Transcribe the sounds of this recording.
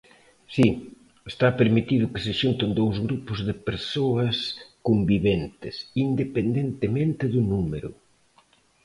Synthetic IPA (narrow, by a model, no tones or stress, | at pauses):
si | est̪apeɾmit̪iðʊkɪsɪʃunt̪ɪnd̪owzɣɾupʊzðɪpeɾsoɐskombiβent̪ɪsind̪epend̪ent̪emẽnt̪ɪðʊnumeɾʊ̰